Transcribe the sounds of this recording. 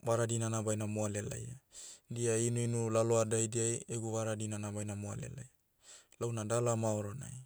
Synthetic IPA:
vaɾadinanabajnamoalela̰jadiainuinulaloadajdiajeɡuβaɾadinanabajnamoa̰le̞̰laja | lawnadalamaoɾona̰j

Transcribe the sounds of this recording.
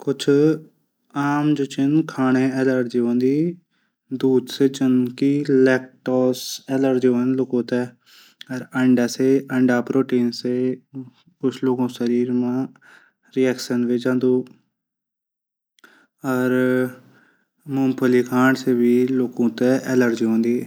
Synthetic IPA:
kʊt͡ʃʰ | aːmd͡ʒət͡ʃɪnkʰaːɳ̃ẽːɛːləɾʈd͡ʒiʋə̃nd̪iː | d̪uːd̪seːd͡ʒənkiːlɛːk̚ʈɔːsɛːləɾd͡ʒiʋə̃nloːkõːt̪ɛ | əɾəɳɖaːseːəɳɖaːpɾoːʈiːnseː | kʊt͡ʃʰloːkõːsəɾiːɾmãː | ɾiːɛːkʃənʋeːd͡ʒãːnd̪uː | əɾ | mõːmpʰəliːkʰãːɳseːʋiːloːkõːt̪ɛːʔɛːləɾd͡ʒɪõːnd̪iː

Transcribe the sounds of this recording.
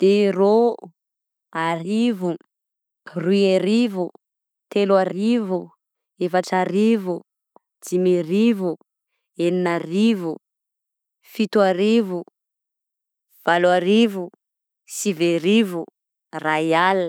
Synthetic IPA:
d̪̥ero | aɾivu | rieɾivu | t̪eluaɾivu | efaʈ͡ʂaɾivu | d͡zimiɾivu | eninarivu | fit̪uaɾivu | v̥aluaɾivu | siveɾivu | rajal

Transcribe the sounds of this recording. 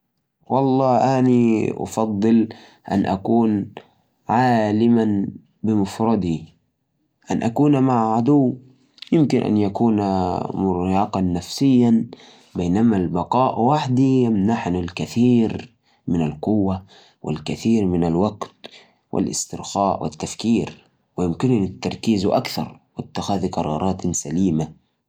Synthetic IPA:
wʔɑlˤːɑːʔaniʔɑ̰fɑd̪ˤːɨl | ʔa̰nʔakuːn | ʕaːlɪman | bɪmʊfɾˤɑd̪i | ʔanʔakuːnmaʕʕad̪uwː | jɪmkɪnʔa̰njakuːnamʊɾjɑːqɑnːafsɪjːan | beːnamalbɑqɑːʔwaħd̪ijamnaħnalkaθiːɾ | mɪnalqʊwːa | wʔɪ̰lkaθiːɾmɪnalwaɡt̪ | wʔɪ̰lʔɪ̰st̪ɪɾxaːʔwʔɪ̰t̪ːafkiːɾ | wɪjɪmkɪnnɪt̪ːɑɾˤkiːzuʔakθɑ̰ɾˤwɪt̪ːɪxaːðqɑɾˤɑ̰ːɾˤʔɑːt̪saliːma

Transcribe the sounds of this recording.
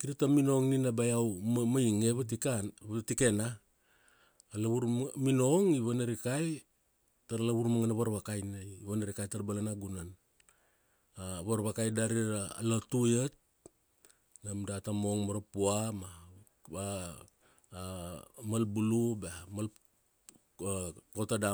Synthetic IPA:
kiɾatamino̞ŋninabajawmajiŋeβatikanatike̞na | laβuɾmino̞ŋiβanaɾikaj | taɾalaβuɾmaŋanaβaɾβakajnaiβanaɾikajtaɾbalanaɡunan | aβaɾβakajdaɾiɾa̰ːlotujet̚ | namdatamo̞ŋmoɾapuama | a | malbulubamal | kotada

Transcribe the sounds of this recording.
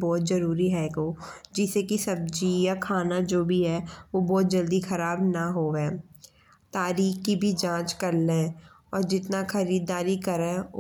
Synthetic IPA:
bɔːt̪zɐɾuːɾiɦɛːɡoː | d͡ʒɪsekisɐb̚d͡ʒijakʰaːnad͡ʒoːbʱiɦɛʋobɔːt̪̚d͡ʒɐld̪ixɐɾaːbnaɦoːɛː | t̪aːɾiːxkibʱid͡ʒãːt͡ʃkɐɾlẽ | ɔːɾd͡ʒɪt̪naxɐɾiːd̪aːɾikɐɾɛ̃

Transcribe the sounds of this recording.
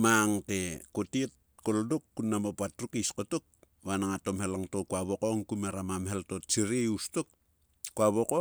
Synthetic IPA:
maŋtekotiet̚ | koldokːunːamopatɾukiskotok̚ | βanaŋato̞mhelaŋtokuaβokoŋkumeɾamamheltott͡ʃiɾieustok̚ | kuaβoko

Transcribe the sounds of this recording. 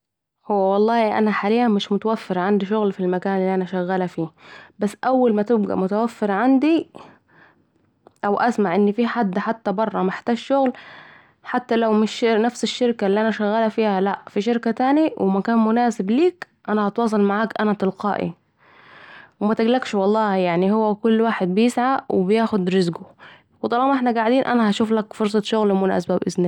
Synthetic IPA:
howːæwɑlˤːɑːhiʔæ̰næħalijːæmɪʃmʊt̪æwæfːɪɾʕand̪iʃʊɣlfilmækaːnʔɪlːiʔænæʃæɣːæːlæfiːbæsːʔæwːalmæt̪ɪb̚ɡæ̰ʔmʊt̪æwæfːɪɾʕand̪i | ʔæwʔæsmaʕʔɪnːifiːħad̪ːħat̪ːæbɑrˤːɑmɪħt̪aːɡʃʊɣl | ħat̪ːælæwmɪʃnæfsɪʃːɪɾkalːiːʔænæʃæɣːæːlæfiːhælæʔfiʃɪɾkæt̪aːniwɪmækæːnmʊnaːsɪbliːk | ʔænæhɑt̪wɑːs̬ˤɑlmaʕaːkʔænæt̪ɪlqɑ̰ːʔḭ | wɪmæt̪ɪɡlækʃwɑlˤːɑːjaʕnihʊwːækʊlːwaːħed̪̚bɪjɪsʕawɪ̰bɪjaːxʊd̪ɾɪzɡʊ | wt̪ˤɑlɑːmʔeħnæɡaʕd̪iːnʔænæhæʃuːflækfoɾˤs̬ˤɑʃʊɣlmʊna̰ːsabæbʔɪsni

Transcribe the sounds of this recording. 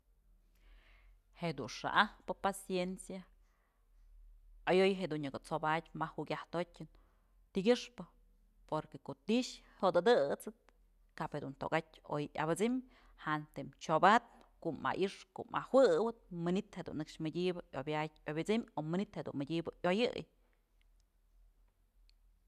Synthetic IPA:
hed̪unʂa̰ʔahpɨpasjensja | ajojɦed̪unɲɨɡot͡sobatʲmahwukʲaht̪otʲːɨn | t̪iɡʲɨʂpɨ | poɾkekoʔt̪iʃhod̪ɨd̪ɨt͡sɨt̪̚ | kaʔphed̪unt̪o̰kat̚ʲo̰jʔa̰bɨt͡sim | hant̪emt͡ʃobat̪̚ | koʔma̰ʔiʂko̰ʔma̰hwɨwɨt̪̚mɨnit̪hed̪ṵnːɨkʂmɨdʲibɨʔobʲatʲobʲit͡simomɨnit̪hed̪ṵnmɨdʲibɨʔjojɨj

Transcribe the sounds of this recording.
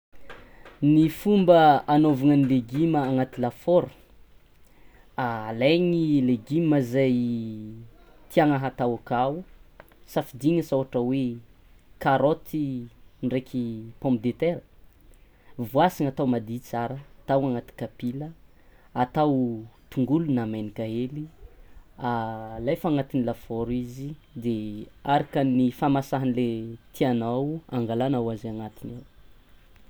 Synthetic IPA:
nifumbəanovaŋənileɡiməːŋat̪ilafoɾu̥ | alaɲileɡiməzaj | t̪iaŋaɦat̪awakau | safid̪iɲəsawaʈ͡ʂəwe | kaɾot̪ʰinrekʰʲipɔ̃mpid̪et̪eɾə | vuasiŋat̪awmad̪it͡saɾət̪awaŋat̪i̥kapilə | at̪awt̪uŋɡulunamajnikaeli | alajfaŋat̪inilafoɾizid̪eaɾakənifamasaɦanilet̪ianawa̰ŋɡalanawaziaŋat̪inew

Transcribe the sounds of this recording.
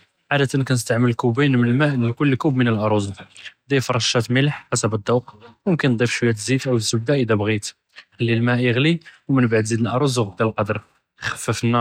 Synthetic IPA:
ʕad̪ət̪ənkænəs̬t̪aʕmələlkubinmənəlmæʔnkʊlːkubmənəlʔɑɾˤuzɣd̪ifɑɾˤɑʃæt̪məlħħasəbəd̪ˤːɑwqwmʊmkənːd̪ˤifʃwəjːæt̪zit̪ʔæw̪zːʊbd̪æʔəd̪æbɣit̪ | xəlːilmæʔjəɣliwmənbaʕd̪zid̪əlʔɑɾˤuzɣd̪ælqɑd̪əɾˤ | xæ̥fːəfənːɑ

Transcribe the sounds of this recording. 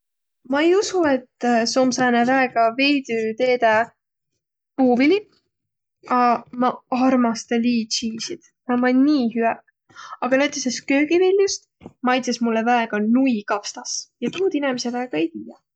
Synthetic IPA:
mɑejusue̞t̪ːsomsæːnevæeɡ̥ɑvejd̪̥yt̪e̞ːd̪e | puːbili | ɑmɑɑrmɑst̪ɑliːt͡ʃiːsid̪̥ | nɑmɑnʲnʲiːhyæk | ɑɡ̥ɑnet̪ːˑeseskø̞ːɡivilʲjust̪ | mɑjt̪sesmulːevæeɡ̥ɑnuikɑfst̪ɑsjɑp̪uːd̪inɛmesevæeɡ̥ɑe̞jt̪iːjɑ

